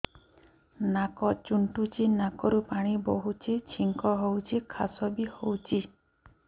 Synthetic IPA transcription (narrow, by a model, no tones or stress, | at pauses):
nakɔt͡ʃuɳʈut͡ʃinakɔɾupaɽ̃iboɦut͡ʃʰit͡ʃʰiŋkɔɦowt͡ʃʰikʰa̰sɔbihowt͡ʃʰi